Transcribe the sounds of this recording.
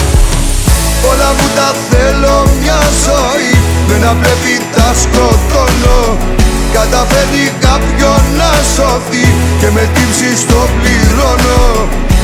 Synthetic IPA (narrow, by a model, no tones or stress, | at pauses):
olamut̪aθelomɲasɔi | ðenaplevit̪askot̪olo | kat̪afenikapjonasɔθikemet̪ipsist̪opliɾono